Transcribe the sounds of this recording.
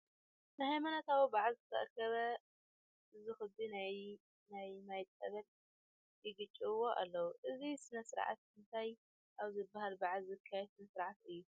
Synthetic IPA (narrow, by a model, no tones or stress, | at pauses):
nɨhajmanat̪awibaʕzɨt̪ʰɐ̰ʔɾkʰɐβɐ | ʔɨzixɨd̪inaj | najmajt̪ʼɐβɐl | jɪɡɨt͡ʃʼːiβɨwo̞ʔa̰lːɐwuʔɨzisɨnɐsɨɾʕa̰t̪̚ɨnt̪ʰaj | ʔaβzɨbːahalbaʕziɨkʰːajɛsɨnɐsɨɾʕat̪ɨjːu